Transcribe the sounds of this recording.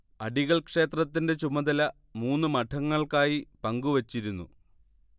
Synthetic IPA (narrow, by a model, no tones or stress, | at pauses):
ɐɖiɣɐɭkʂe̞ːt̪rɐt̪ːinde̞t͡ɕumɐd̪ɐlɐ | muːnːɨmɐʈʰːɐŋːɐɭkaːjipɐŋɡuʋɐt͡ɕːiɾunːṵ